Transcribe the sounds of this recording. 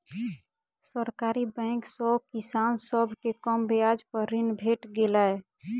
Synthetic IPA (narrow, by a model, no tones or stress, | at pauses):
səɾkaɾibɛ̃ŋksəkisansəbʱkekəmbead͡ʒpəɾinbʱeʈɡelae